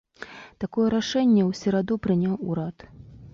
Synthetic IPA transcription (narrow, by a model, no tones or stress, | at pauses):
t̪akɔjɛɾaʂɛnʲːɛwsʲɛɾad̪upɾɨnʲawuɾat̪